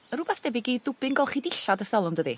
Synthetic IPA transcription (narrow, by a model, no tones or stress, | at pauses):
əɾʊbɛθd̥ɛbɪɡiːdʊbɪnɡɔlˠχidɪɬadəstɛlˠʊmdəðḭ